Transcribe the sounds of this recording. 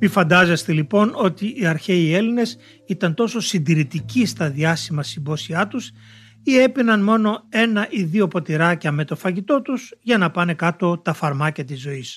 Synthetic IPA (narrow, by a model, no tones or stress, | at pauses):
mifɐnd̪ɐzest̪elipo̞no̞t̪iʔiɐɾçe̞ie̞line̞s | it̪ɐnt̪o̞so̞sind̪iɾit̪icist̪ɐðiɐsimɐsimbo̞siɐt̪us | ie̞pinɐnmo̞no̞e̞nɐʔiðio̞po̞t̪iɾɐcɐme̞t̪o̞fɐʝit̪o̞t̪uzʝɐnɐpɐne̞kɐt̪o̞t̪ɐfɐɾmɐcɐt̪izo̞is